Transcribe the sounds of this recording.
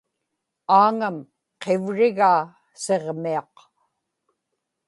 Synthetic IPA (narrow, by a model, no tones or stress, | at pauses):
aːŋam | qʰevɻɪɣaː | se̞ʁmiɑq